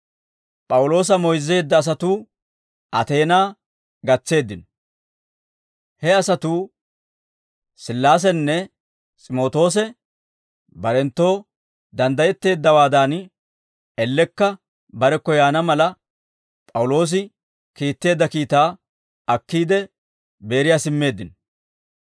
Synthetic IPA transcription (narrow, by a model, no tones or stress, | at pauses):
pʼɐwʊlo̞ːs̬ɐmɔjzːe̞ːd̪ːɐːs̬ɐt̪uː | ʔɐt̪e̞ːnaː | ɡɐt͡sːe̞ːd̪ːɪnɔ | hɛɐsɐt̪uː | sɪlːaːs̬ɛnːɛ | t͡sʼɪmo̞ːt̪o̞ːs̬ɛ | bɐɾɛnt̪ːo̞ː | d̪ɐnd̪ɐjɛt̪ːe̞ːd̪ːɐwaːd̪aːn | ɛlːɛkːɐ | bɐɾɛkːɔjaːnɐmɐlɐ | pʼɐwʊlo̞ːs̬ɪ | kiːt̪ːe̞ːd̪ːɐkiːt̪aː | ɐkːiːd̪ɛ | be̞ːɾɪjaːsɪmːe̞ːd̪ːɪn